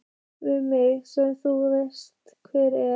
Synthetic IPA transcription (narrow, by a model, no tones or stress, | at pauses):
vɪðmɪɣsɛθuvejst̪ | kʰvɛːɾɛ